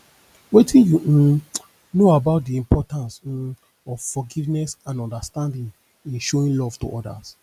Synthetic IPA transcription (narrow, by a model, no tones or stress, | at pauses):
wetʰĩnju | noabaʊt̚diĩmpʰɔtãns̩ | ɔv̥fɔɡivnɛsãnɔ̃ndastãndĩn | ĩnʃoĩnlɔvtṵʔɔda̰s